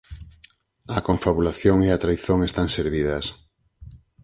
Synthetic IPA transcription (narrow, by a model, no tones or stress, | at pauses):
ɐkoɱfaβulaθjoŋeat̪ɾajθoŋest̪aŋseɾβiðɐs